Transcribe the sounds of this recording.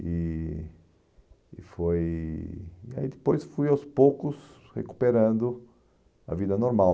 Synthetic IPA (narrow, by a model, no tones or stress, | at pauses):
ɪ | foj | ia̰id̪ɪpojsfujawspokʊs | hḛku̥peɾɐ̃nd̪ʊ | ɐ̰vid̪ɐnoɾmaw